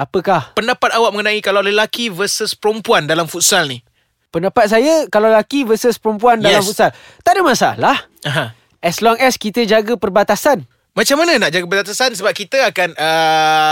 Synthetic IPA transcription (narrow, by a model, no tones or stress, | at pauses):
apəkahpəndapat̪̚awaʔ̚mə̃ŋənãikalawləlakivəsəspəɾompuandalamfut̪̚salni | pəndapat̪̚s̬ajəkalawləlakivəsəspəɾɔmpuanddaɛlamfut̪̚sal | t̪aʔdəmãsalahaɦã | ʔɛslɔŋɛskit̪əd͡ʒaɡəpərbat̪asan | mãt͡ʃamanə̃naʔ̚d͡ʒaɡəpərbat̪̬asans̬əbap̚kit̪əakanə